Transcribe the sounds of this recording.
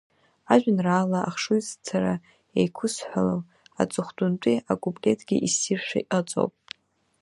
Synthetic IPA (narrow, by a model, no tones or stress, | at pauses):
aʒᶣʷnraːlaʔaχʂujzt͡sʰaɾa | jejkʷʰʊsħʷᶣalow | a̰t͡sʼɨχʷdʼʊntʼiaɡʷʼublʲe̞tʰɡʲiʔisirʃʷᶣa̰jʔʼat͡sʼo̰wpʼ